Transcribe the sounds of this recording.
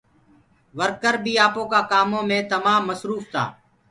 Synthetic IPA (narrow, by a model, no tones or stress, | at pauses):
ʋəɾkəɾbʱiːaːpõːkaːkaːmõːmẽːt̪əmãːmːəsɾuːft̪a̰ː